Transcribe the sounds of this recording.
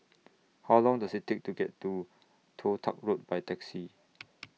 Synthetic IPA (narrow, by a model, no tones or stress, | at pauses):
hawlɔ̃ŋdasɪt̚tʰek̚tuɡɛtːu | tʰotʰa̰k̚ɹot̚b̥ajtɛksi